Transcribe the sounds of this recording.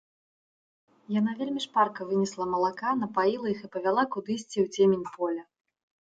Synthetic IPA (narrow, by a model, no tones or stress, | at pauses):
janavʲelʲmʲiʂparkɐvɨnʲɛslˠɐmɐlˠakanɐpajilˠɐixɨpɐvʲalˠakud̪ɨsʲt͡sʲiwt͡sʲemʲenʲpʰɔlʲɐ